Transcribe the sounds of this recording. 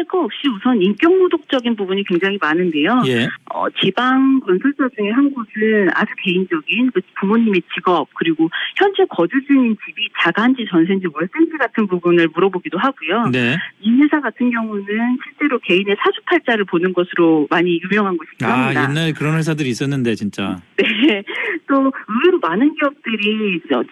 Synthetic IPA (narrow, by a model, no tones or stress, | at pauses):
aɭk͈ʌop̚ɕ͈iusʰʌnink͈jʌŋmodok̚t͡ɕ͈ʌɡinpubuɲikwe̞ŋd͡ʑaŋɦimanɯnde̞jojeʌ̰t͡ɕibaŋkʌnsʰʌɭt͡ɕ͈ad͡ʑuŋeɦanɡosʰɯna̰d͡ʑuke̞ind͡ʑʌɡinkɯpumoɲime̞t͡ɕiɡʌp̚k͈ɯɾiɡoçjʌnd͡ʑekʌd͡ʑud͡ʑuɲint͡ɕibit͡ɕaɡand͡ʑit͡ɕʌnsʰend͡ʑiwʌɭs͈end͡ʑʰiɡatʰɯnpubunɯɭmuɾʌboɡidoɦaɡujoneinsesʰaɡatʰɯnɡjʌŋunɯnɕʰiɭt͡ɕ͈e̞ɾoke̞ine̞sʰad͡ʑupʰaɭt͡ɕ͈aɾɯɭponɯnɡʌsʰɯɾomaɲijumjʌŋɦanɡʌɕʰiɡaamɲidainːaɭkɯɾʌnwesʰadɯɾiːs͈ʌnːɯnde̞t͡ɕint͡ɕ͈a̰ne | t͈oɯeɾomanɯnɡiʌp̚t͈ɯɾiʌ